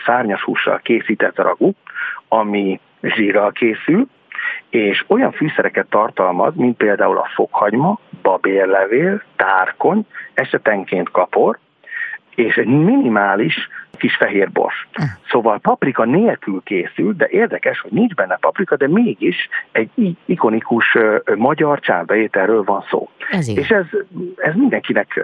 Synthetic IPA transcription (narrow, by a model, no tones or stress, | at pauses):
saːrɲɒʃhṵːʃːɒ̰lkeːsiːt̪ɛt̪ːrʔɒ̰ɡuɒmi | ʒiːrːɒlkʰeːsyl | eːʃo̞jɒɱfyːsɛɾɛkɛt̪ːɒrt̪ɒlmɒ̰zmint̪̚peːld̪aːulɒ̰fokhɒɟmɒbɒbeːrlɛveːlt̪aːrko̞ɲɛʃɛt̪ɛŋkeːnt̪kɒpo̞r | eːʃɛɟminimaːliʃkiʃfɛɦeːrbo̰rʃsoːvɒlpɒprikɒneːlkylkeːsyld̪ɛʔeːrd̪ɛkɛʃho̞ɟnind͡ʒbɛnːɛpɒprikɒd̪ɛmeːɡiʃɛɟiiko̞nikuʃmɒɟɒrt͡ʃa̰ːnbɛjeːt̪ɛrːøːlvɒnso̰ːeːʃɛzɛzmind̪ɛŋkinɛk